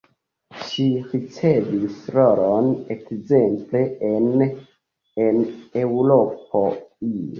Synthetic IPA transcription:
ʃiɾit͡se̞visɾoɾonekze̞mple̞en | ene̞wɾop̚oi

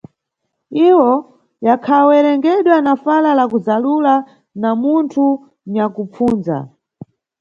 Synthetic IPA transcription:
iwɔ | jakʰawɛɾɛŋɡɛɗwanafalalakuzalula | namuntʰu | ɲakup͡fuːnza̰

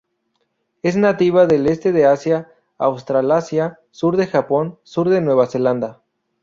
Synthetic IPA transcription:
e̞znat̪iβaðe̞lest̪e̞ðeasjaː | wst̪ɾalasja | suɾðe̞xapo̞nsuɾðe̞nwe̞β̞ase̞land̪a

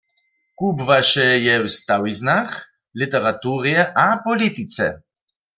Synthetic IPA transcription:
kubvaʃɛjɛwst̪awiznax | lit̪ɛʁat̪uːʁijɛʔapɔlit̪it͡s̪ɛ̰

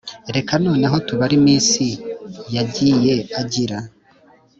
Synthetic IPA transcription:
ɾe̞kano̞ːnaɦo̞tuβaɾimiːnsijaɟiːje̞aɟiɾa

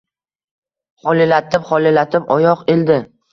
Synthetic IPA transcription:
χɒlɪlat̪ʰɪpχɒlelat̪ʰɪpɒjɒqeld̪ɪ

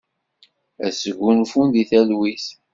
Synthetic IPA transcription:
æsəɡʷːunfunðiθælwiθ

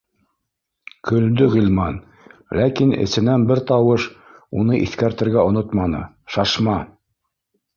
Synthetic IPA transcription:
kɵ̆ld̪ɵʁilmɑn | lækinɘ̰̆sɘ̆nænbɘɾt̪ɑwɤʃ | unɤʔiθkæɾt̪ɘ̆ɾɡæŏnot̪mɑnɤ̰ | ʃɑʃmɑ

